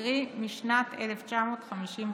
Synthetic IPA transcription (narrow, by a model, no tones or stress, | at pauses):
ʁimiʃnat̪ʰeleft͡ʃamoːt̪χamiʃim